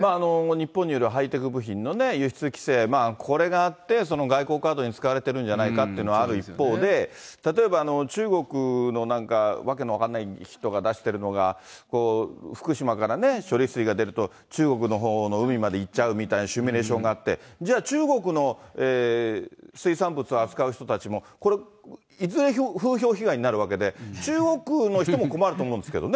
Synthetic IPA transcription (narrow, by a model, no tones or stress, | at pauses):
maːno̞ɲ̟ipːõ̞ɲ̟ːijo̞ɾeɯɦait̪e̞kɯ̟bɯ̟çĩnːo̞ne̞jɯ̟çi̥t͡sɨkʲi̥se̞ːmaːkʰo̞ɾe̞ɡaːt̪ːe̞s̬o̞no̞ɡaiko̞ːkaːd̪o̞ɲ̟it͡sɨ̥kaβaɾe̞t̪e̞ɾɯ̟̃ɲ̟d͡ʑanaikat̪ːeiɯnoaaɾɯ̟ipːo̞ːd̪e̞t̪at̪o̞e̞baːno̞t͡ɕɨːɡo̞kɯ̟no̞nãŋkaβake̞noakanːaiçi̥t̪o̞ɡad̪aɕi̥t̪e̞ɾɯ̟no̞ɡako̞ːɸɯ̥kɯ̟ɕimakaɾane̞ɕo̞ɾʲisɨɾʲiɡad̪e̞ɾɯ̟t̪o̞ | t͡ɕɨːɡo̞k̬ɯ̟no̞ɦo̞ːno̞ɯ̟mʲimad̪e̞it͡ɕaɯ̟mʲit̪ainoɕɨmʲiɾe̞ːɕõ̞ŋɡaːt̪ːe̞̰d͡ʑaːt͡ɕɨːɡo̞kɯ̟no̞eː | sɨisãmbɯ̟t͡sɨoat͡sɨ̥kaɯ̟çi̥t̪ot̪at͡ɕimo̞ko̞ɾe̞ | izɨɾe̞çoɸɯːço̞ːçiɡaiɲ̟inaɾɯ̟β̞ake̞d̪e̞t͡ɕɨːɡo̞kɯ̟no̞çit̪omo̞ko̞maɾɯt̪oːmõnd̪esɨ̥ke̞d̪o̞ne